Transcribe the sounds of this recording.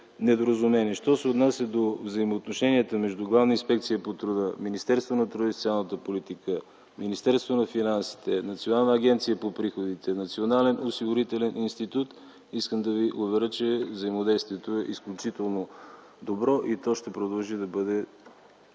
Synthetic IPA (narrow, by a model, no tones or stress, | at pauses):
nɛd̪oɾəzumɛniʃt̪ɔsɛot̪nasʲjəd̪ovzɐimoːt̪noʃɛniɛt̪əmɛʒd̪uɡlˠavnəinspɛk̚t̪sijəpot̪ɾʊd̪əminist̪ɛɾst̪vonɐt̪ɾʊd̪əist̪ʲalˠnət̪əpolit̪ikə | minist̪ɛɾst̪vonɐfinansi̥t̪ɛnɐt̪sionalˠnəːɡ̟ʲɛnt̪sijəpopɾixod̪it̪ɛnɐt̪sionalɛnosiɡʊɾit̪ɛlɛnʔinst̪it̪ut̪ | iskəmd̪ɐviʔovɛɾət͡ʃɛvzəimod̪ɛjst̪viɛt̪oɛʔisklʲʊt͡ʃit̪ɛlˠno | d̪obɾɔʔit̪ɔʃt̪ɛpɾod̪ɐlˠʒid̪ɐbɤd̪ɛ